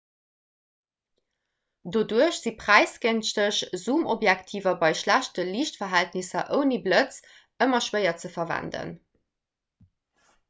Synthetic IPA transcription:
doːduəɕz̥ipʁ̥æɪsɡenʃtəɕz̥uːmʔobjæktʰiːvɐbɑɪʃlæɕtəliːʃtfɐɦæltnisɐʔəʊniblət͡s | əmɐʃwɜɪɐt͡səfɐvæ̰ndə̰n

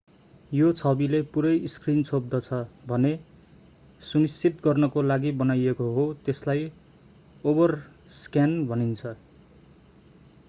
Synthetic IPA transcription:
jot͡sʰʌbilepuɾʌjskrinsob̚d̪ʌt͡sʰʌbʱʌne | sunist͡sit̪̚ɡʌrnʌkolaɡibʌnajekoɦot̪eslaj | obʌr | skjanbʱʌnint͡sʰʌ

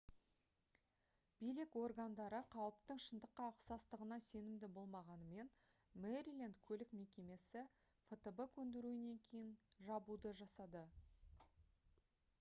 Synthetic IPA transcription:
b̥ijlɪkwo̞rɡand̪ɑɾəqʰɑwəpt̪əɴʃənd̪əqːɑəqsɑst̪əʁənɑse̞nɪmd̪ɪbo̞lˠmɑʁɑnəme̞n | meɾʲilˠend̪kʲʰɵlɪkme̞kʲe̞me̞sɪ | fet̪əbəkʲʰɵnd̪ɪɾuɪne̞ŋkʲʰe̞jɪnʒɑbud̪əʒɑsɑd̪ə

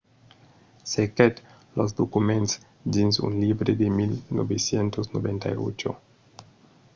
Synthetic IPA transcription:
seket̪ | lozd̪okumẽnt̪s | d͡ʒinzṵnlibɾed̪emilnobesjent̪oznobẽnt̪a̰io̰t͡ʃo̰

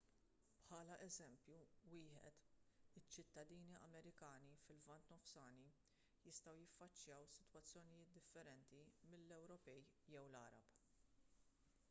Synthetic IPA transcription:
pħɐːlɐʔɛzɛmpjuwɪːħɛ̰t̪ɪt͡ʃːɪt̪ːɐd̪iːniɐ̰mɛɾɪkɐːnifɪlvɐnt̪nɔfsɐːni | jɪst̪ɐwjɪfːɐt͡ʃːjɐwsɪ̥t̪wɐt͡sːjɔnɪjɪːt̪̚d̪ɪfːɛɾɛnt̪imɪlːɛwɾɔpɛjjɛwlɐ̰ːɾɐ̰b

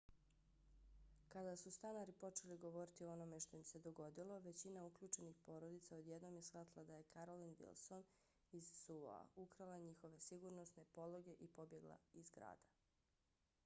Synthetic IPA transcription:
kad̪asust̪anaɾipo̞t͡ʃe̞liɡo̞ʋo̞ɾit̪ioo̞no̞me̞ʃt̪o̞imsed̪o̞ɡo̞d̪ilˠo̞ʋe̞t͡ɕinaukʎʲuːt͡ʃe̞nixpo̞ːɾo̞d̪it̪saod̪jed̪no̞mjesxʋat̪lˠad̪aje̞kaɾo̞linʋḭlˠso̞n | izːṵa̰ukɾalaɲixo̞ʋe̞siɡuɾno̞sne̞po̞lˠo̞ɡe̞ʔipo̞bje̞ɡlˠa̰izɡɾa̰ːd̪a

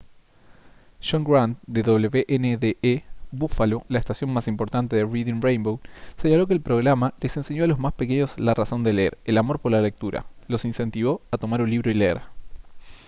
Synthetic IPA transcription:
ʃoŋɡɾant̪d̪eðo̞β̞leβeʔeneðeʔeβufalolaest̪asjo̞nmasimpo̞ɾt̪ant̪e̞ðeriðinrejmbowseɲalo̞k̬eːlpɾo̞ɣɾamale̞se̞nse̞ɲo̞alo̞zmaspeke̞ɲo̞slaraso̞nd̪eleeɾelamo̞ɾpo̞ɾlale̞k̚t̪uɾa̰lo̞sinse̞nt̪iβ̞o̞at̪o̞maɾunliβɾo̞ileḛɾ

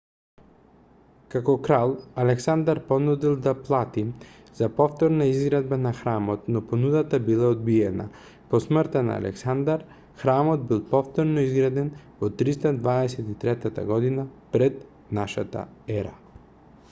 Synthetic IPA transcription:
kakɔkɾalˠalɛksand̪aɾpɔnud̪ilˠd̪aplˠat̪i | z̥apɔft̪ɔɾnaizɡɾad̪banaxɾamɔt̪nɔpɔnud̪at̪abilˠaod̪̚biɛna̰ | pɔsmrɾt̪ana̰a̰lʔɛ̰ksand̪aɾ | xɾamɔd̪̚bilˠpɔft̪ɔɾnɔizɡɾad̪ɛnvɔt̪ːɾist̪ad̪vaɛsɛt̪it̪ɾɛt̪at̪a̰ɡɔd̪inapɾɛt̪ | naʃa̰t̪a̰ɛɾa

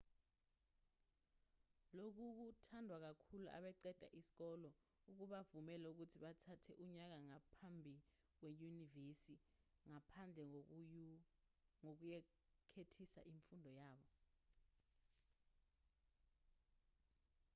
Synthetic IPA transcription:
lok̬uk̬utʰandʱwak̬akʰuluʔa̰ɓɛǀɛd̥ʱa̰ʔisi̥k̬ɔlɔ | uk̬uɓavumɛlɛuk̬utʰiɓatʰatʰɛʔuɲak̬aŋapʰambʱi | k̬wejunivesiŋapʰand͡ɮʱɛ | ŋok̬ujɛ | kʰetʰisa̰ʔiɱfundʱɔjaːɓɔ

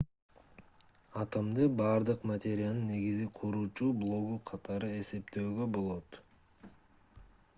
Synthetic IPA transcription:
ɑt̪ɑmd̪ɯbɑɾd̪ɯqmat̪ʲe̞ɾʲɪjanɯnːe̞ɡiziqʰuɾuːt͡ʃublˠo̞ɡuqʰɑt̪ɑɾɯe̞se̞pt̪øːɡø̞bo̞lˠo̞t̪

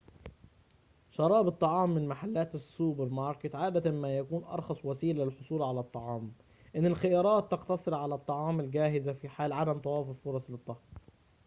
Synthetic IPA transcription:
ʃɑɾˤɑːbɨt̪ˤːɑʕɑːmːɪnmaħalːæːt̪ɪsːubɪɾmɑɾˤkɪt̪ʕaːd̪æt̪amæːjækuːnʔɑ̰ɾˤxɑsˤwæsiːllɪlħosˤuːlʕalæt̪ˤːɑʕɑːm | ʔɪnːɪlxɪjɑːɾˤɑːt̪ːɑqt̪ɑsˤɨɾʕalæt̪ˤːɑʕɑːmɪlɡæːɦɪzafiːħaːlʕad̪æmt̪ˤɑwɑːfʊffʊɾˤɑsˤlɨt̪ˤːɑhɾ

